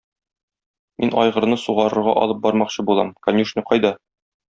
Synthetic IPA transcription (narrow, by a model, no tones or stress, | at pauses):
minɒjʁɤ̆ɾnɤsuʁɑɾɤ̆ɾʁɑ̰ʔɒ̰lˠɤp̚bɒɾmɑqɕɤbulˠɑmkɐnʲuʃnɤqɒjd̪ɑ